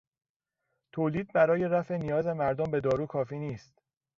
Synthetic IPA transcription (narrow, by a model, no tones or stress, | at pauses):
t̪ʰoːliːd̪̚bæɾɒːje̞ɾæfenijɒːze̞mæɾd̪ombe̞d̪ɒːɾuːkʰɒːfiːniːst̪